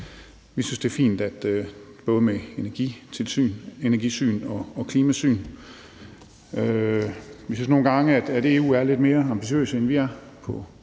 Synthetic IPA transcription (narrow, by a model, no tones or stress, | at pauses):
ʋisynsd̥e̝ɐfḭːnd̥æd̥øb̥ɔ̽ːð̞ˠəmeenɐɡ̥it͡sʰe̝lsy̰ne̝næɐɡ̥isy̰ːnɒ̽ɒ̽kʰliːmæsy̰ːn | ø | ʋisynsno̝ːn̩ɡ̥ɑ̈ŋəæd̥æd̥e̝ːṵːæɐle̝d̥me̝ːɐɑ̈mb̥iɕiø̰ːsəenʋiæɐpʰɒ̽